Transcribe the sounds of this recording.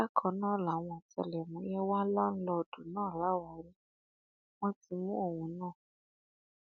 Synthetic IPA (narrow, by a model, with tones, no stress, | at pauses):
a˦kʰɔ˨nɔ˦la˨ŋa˨tɛ̰˨lɛ˨mu˨˦jɛ˦wa˦la˦n̩˦lɔ˦d̥u˨nɔ˦˨la˦wa˨ɾi˦ | ŋa˦ti˨mu˦o˨wu˨nɔ˦˨